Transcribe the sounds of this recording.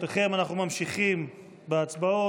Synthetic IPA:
teχe̞manaχnumamʃiχim | beat͡sbao̞

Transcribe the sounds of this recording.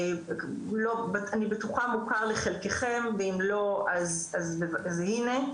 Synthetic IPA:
lobaanibetuχamukaʁleχelkeχemveimlo̞azazbevazhine̞

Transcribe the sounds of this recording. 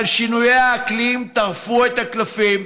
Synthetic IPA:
lʃinujeaːklimt̪aʁfuet̪haklafim

